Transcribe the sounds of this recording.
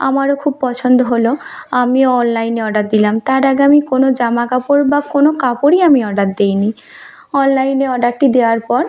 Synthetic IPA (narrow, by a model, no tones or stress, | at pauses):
a̰maɾokʰub̚pɔt͡ɕʰond̪oɦoloamioɔnlajneɔɖat̪̚d̪ilamt̪aɾaɡeamikonod͡ʑamakapoɾbakonokapoɾiamiɔɖat̪d̪ejni | ɔnlajneɔɖaʈʈid̪ewaɾpɔɾ